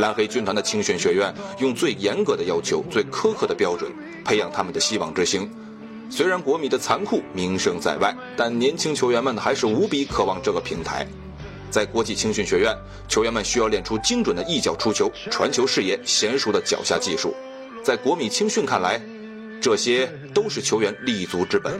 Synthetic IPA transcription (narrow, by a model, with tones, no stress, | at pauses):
la˧˥nxe˥ɪt͡ɕy˥nt̪ʰwa˧˥nd̪ə˨t͡ɕʰi˥ŋɕy˥˩nɕɥɛ˧˥ɥɛ˥˩njʊ˥˧ŋt͡swe˥˩ɪjɛ˧˥nkɤ˧˥d̪ə˧jɑ˥ʊt͡ɕʰjo˧˥ʊt͡swe˥˩ɪkʰɤ˥kʰɤ˥˩d̪ə˩pjɑ˥ʊʈ͡ʂwə̰˨˩n | pʰe˥ɪjɑ˥˩ŋt̪ʰa˥mə˨nd̪ə˩ɕi˥wɑ̰˨˩ŋʈ͡ʂɻ̩˥ɕi˥ŋ | swe˥ɪɻa˧˥nkwɔ˧˥mi˨˩d̪ə˦t͡sʰa˧˥nkʰu˥˩mi˧˥ŋʂɤ˥ŋt͡sa̰˥˧ɪwa˥˩ɪt̪a˥˩nnjɛ˧˥nt͡ɕʰi˥ŋt͡ɕʰjɥɛ˧˥nmə˨˩nxa˧˥ɪʂɻ̩˥˩u˧˥pi˧˥kʰɤ˨˩wɑ˥˧ŋʈ͡ʂɤ˥˩ɡə˩pʰi˧˥ŋt̪ʰa̰˧˥ɪ | t͡sa˥˩ɪkwɔ˧˥t͡ɕi˥˩t͡ɕʰi˥ŋɕy˥˩nɕɥɛ˧˥ɥɛ˥˩n | t͡ɕʰjo˧˥ʊɥɛ˧nmə˨˩nɕy˥jɑ˥˧ʊljɛ˥˩nʈ͡ʂʰu˥t͡ɕi˥ŋʈ͡ʂwə˨˩nd̪ə˦i˥˩t͡ɕjɑ˨˩ʊʈ͡ʂʰu˥t͡ɕʰjo˧˥ʊ˥ʈ͡ʂʰwa̰˧˥nt͡ɕʰjo˧˥ʊʂɻ̩˥˧jɛ˥˩ɕjɛ˧˥nʂu˧˥d̪ə˧t͡ɕjɑ̰˨˩ʊɕja̰˥˧t͡ɕi˥˧ʂṵ˥˩ | t͡sa˥˩ɪkwɔ˧˥mi˨˩t͡ɕʰi˥ŋɕy˥˧nkʰa˥˩nla˧˥ɪ | ʈ͡ʂɤ˥˩ɕjɛ˥ | t̪o˥ʊʂɻ̩˥˩t͡ɕʰjo˧˥ɥɛ˧˥nli˥˩t͡su˧˥ʈ͡ʂɻ̩˥pə̰˨˩˦n